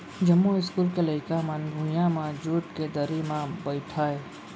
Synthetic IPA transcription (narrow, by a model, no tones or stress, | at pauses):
d͡ʒəmːuɪskuːlkeləɪkamənbʱũjãmãd͡ʒuːʈked̪əɾimãbəɪʈʰaːe